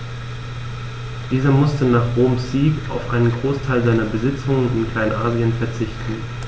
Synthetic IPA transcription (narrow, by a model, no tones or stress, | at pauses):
d̥iːzɐmʊstənaːχʁoːmsiːka̰ʊfʔa̰ɪnənɡʁoːstʰaɪlzaɪnɐbəzɪt͡sʊŋənɪnkl̥aɪnʔa̰ːziənfɛɐt͡sɪçtn̩